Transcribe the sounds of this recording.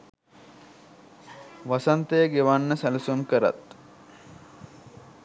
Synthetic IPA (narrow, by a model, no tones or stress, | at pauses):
ʋasant̪ejəɡeʋanːəsælɐsumkəɾa̰t̪